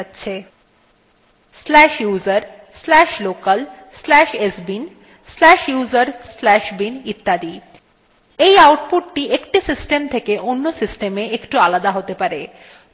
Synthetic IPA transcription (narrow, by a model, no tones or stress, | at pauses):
tːɕʰe | slɛʃjuzaɾ | slɛʃlokal | slɛʃesbin | slɛʃjuzaɾslɛʃbinit̪ːad̪i | ejawʈ̚puʈʈiʔekʈisisʈemt̪ʰekeʔonːosisʈemeekʈualad̪aɦot̪epaɾe